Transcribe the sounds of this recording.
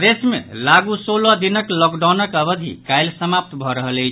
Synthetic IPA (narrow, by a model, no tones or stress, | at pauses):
d̪esmḛlaɡusolɔd̪inəklɔɡɖawnəkəbəd̪ʱḭkajlsəmap̚t̪bʱɔɾəɦəlejt͡ʃʰ